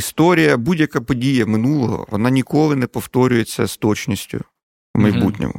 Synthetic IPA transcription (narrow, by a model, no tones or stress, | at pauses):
ist̪ɔɾʲijɐbudʲjɐkapɔdʲijɐmɪnulˠɔɦɔ̰ʋɔnɑnʲikɔlˠɪnɛpɔft̪ɔɾʲʊjet͡sʲːɐ̰st̪ɔt͡ʃnʲisʲtʲʊ̰ | mɐjbutʲnʲɔ̰mʊ